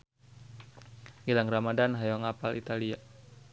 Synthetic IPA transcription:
ɡilaŋramadanɦajɔŋapalḭt̪alia

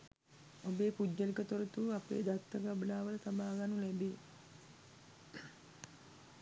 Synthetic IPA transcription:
obeːpud͡ʒːəlikət̪oɾət̪uapḛːd̪at̪ːəɡabəlaːʋələt̪abaːɡanulɛbeː

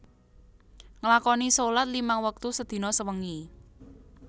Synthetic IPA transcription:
ŋəlakɔnisolat̪̚limaŋwək̚t̪usəd̪̥i̤nɔsəwəŋi

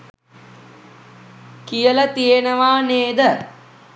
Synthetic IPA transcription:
kijələt̪ijenəʋaːneːd̪ə

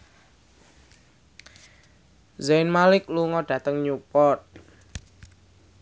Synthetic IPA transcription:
zenmalɪk̚luŋɔɖ̥ä̤t̪əŋɲupɔt̪̚

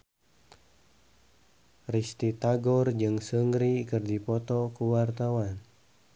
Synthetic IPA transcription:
rist̪it̪aɡɔrd͡ʒɨŋsəŋɡɾikɨrdipɔt̪ɔkuwart̪awan

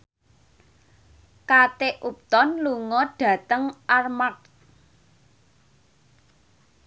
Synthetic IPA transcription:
kat̪eʔup̚t̪ɔnluŋɔɖ̥ä̤t̪əŋʔarmak̚

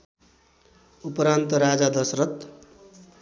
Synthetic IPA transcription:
upʌɾant̪ʌɾad͡zad̪ʌsɾʌt̪

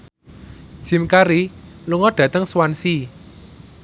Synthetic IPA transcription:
d̥ʒ̥i̤mkaɾiluŋɔɖ̥ä̤t̪əŋswansi

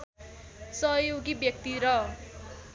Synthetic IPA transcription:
sʌɦjoɡibjʌk̚t̪iɾʌ

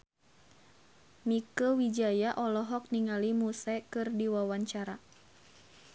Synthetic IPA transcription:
mikəwid͡ʒajaʔɔlɔɦɔk̚niŋalimusɛkɨrdiwawaɲt͡ʃaɾa

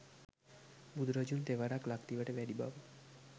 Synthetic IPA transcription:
bud̪ɾəd͡ʒunt̪eʋaɾaklakt̪iʋəʈeʋɛɽiba̰bu

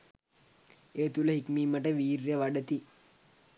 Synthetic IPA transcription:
eːt̪uləɦikmiːməʈəʋiːɾjəʋaɖət̪i

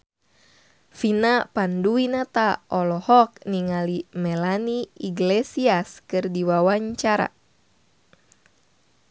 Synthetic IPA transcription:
finapanduinat̪aʔɔlɔhɔk̚niŋalimɛlaniiɡlesiaskɨrdiwawaɲt͡ʃaɾa̰

